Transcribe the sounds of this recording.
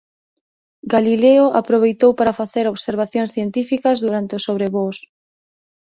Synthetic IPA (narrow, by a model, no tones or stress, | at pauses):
ɡalileʊʔapɾoβ̞ejt̪owpaɾafaθeɾoβseɾβ̞aθjoŋsθjent̪ifikɐzðuɾant̪ɪʊsoβ̞ɾeβos